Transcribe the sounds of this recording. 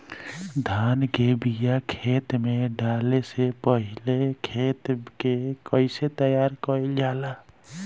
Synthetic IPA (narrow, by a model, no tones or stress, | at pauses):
d̪ʱanɡebijakʰet̪meɖalesepəɦilekʰet̪kekəɪset̪əjaɾkəild͡ʒala